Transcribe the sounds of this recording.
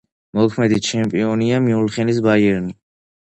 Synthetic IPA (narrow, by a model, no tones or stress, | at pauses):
mɔkʰmɛd̪it͡ʃʰɛmpʼiɔniamiulχɛnisbajɛɾni